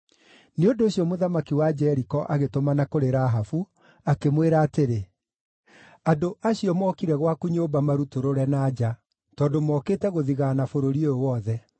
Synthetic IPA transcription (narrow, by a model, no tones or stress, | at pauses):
neondoːɕjɔmoðamakiwad͡ʒɛɾikɔʔaɣetomanakoɾeɾaɦafu | akemweɾaːteɾe | adoʔaɕiɔmɔkiɾɛɣwakuɲoːbamaɾutoɾoɾɛnaːd͡ʒa | tɔːndomɔkeːtɛɣoðiɣaːnafoɾoɾioowɔðɛ